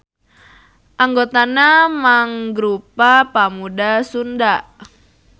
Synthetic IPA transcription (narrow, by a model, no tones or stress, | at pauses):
ʔaŋɡot̪anamaŋɡɾupapamudasunda